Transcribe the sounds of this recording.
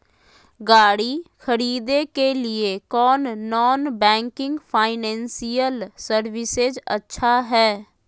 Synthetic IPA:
ɡaːɽixʰəɾiːd̪ekelɪekɔːnːɔːnbɛ̃ːŋkɪ̃ŋɡpʰaːɪnɛ̃ːnsijəlsəɾwɪsed͡ʒə̰tːʃʰaɦɛː

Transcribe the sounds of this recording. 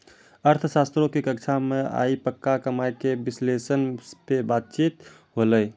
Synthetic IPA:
əɾt̪ʰəsast̪ɾõkekəkt͡ʃʰamẽa̰ːipəkːakəmajkebɪslesənpebaːt̪̚t͡ʃiːt̪ | ɦoləj

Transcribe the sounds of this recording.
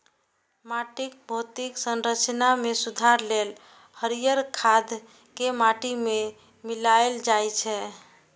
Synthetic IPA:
maʈik̚bʱot̪iksənɾət͡ʃnamesud̪ʱaɾlel | həɾijəɾkʰad̪ | kemaʈime | milaeld͡ʒajt͡ʃʰɛ

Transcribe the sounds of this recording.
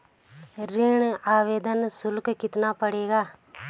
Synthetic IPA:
ɾɪɳaːʋeːd̪ənsʊlkkɪt̪napəɽeːɡaː

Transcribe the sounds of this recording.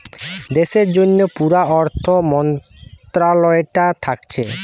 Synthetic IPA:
d̪eʃeɾd͡ʑonːopuɾaɔɾt̪ʰomɔn | t̪ɾalɔeʈat̪ʰakt͡ɕʰe

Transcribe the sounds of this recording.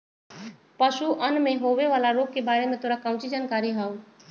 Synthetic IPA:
pɐʃuʔənmẽɦoːʋeʋaːlaɾoːɡ̚kebaːɾemẽt̪ʰoːɾakãʊ̃t͡ʃid͡ʒaːnkaːɾiɦaːũ

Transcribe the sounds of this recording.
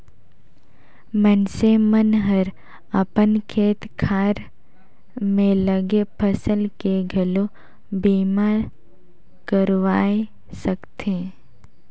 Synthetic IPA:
mɛnsemənɦəɾ | əpənkʰeːt̪kʰaːɾ | mẽləɡepʰəsəlkeɡʱɐlo | biːmaɾ | kəɾʋaːe | səkt̪ʰeː

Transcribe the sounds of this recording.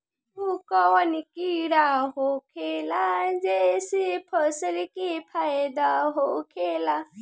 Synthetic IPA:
bukɔwənikiɾaɦokʰelad͡ʒesipʰəsəɾikipʰajd̪aɦokʰela

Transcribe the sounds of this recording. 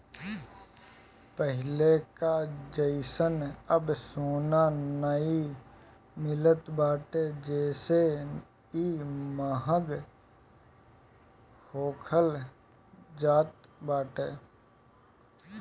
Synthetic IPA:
pəɦɪlekad͡ʒəɪsənəbsoːnanəi | mɪlət̪baːʈed͡ʒɛːse | imaːɦəɡ | hoːkʰəl | d͡ʒaːt̪̚baːʈeː

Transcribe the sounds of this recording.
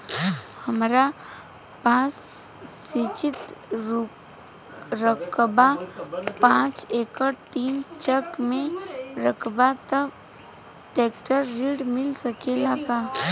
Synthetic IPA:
həmɾa | paːsː | it͡ʃɪt̪ | ɾəkbapãːt͡ʃeːkəɾt̪iːnt͡ʃəkmẽɾəkʰbat̪əb | ʈeːkʈəɾːiːɽmɪlsəkelaɡa

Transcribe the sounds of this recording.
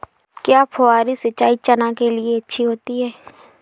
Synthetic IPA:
kjaːpʰoaːɾisɐt͡ʃːaːit͡ʃɐnãkelieɐtːʃʰiɦoːt̪iɦɛː

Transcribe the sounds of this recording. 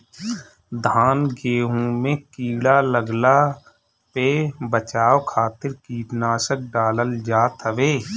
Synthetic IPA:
d̪ʱaːnɡeːɦũmẽkiːɽaləɡla | pebət͡ʃaːʋkʰaːt̪ɪɾkiːʈnaːʃək̚ɖaːləld͡ʒaːt̪ɦəʋeː

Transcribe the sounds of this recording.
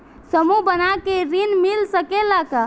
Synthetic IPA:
səmubənakeɾinmilsəkelaka

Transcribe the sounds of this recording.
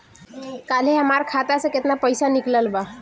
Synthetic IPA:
kaleɦəmaɾkʰat̪asə̃ket̪napəjsanikləlba

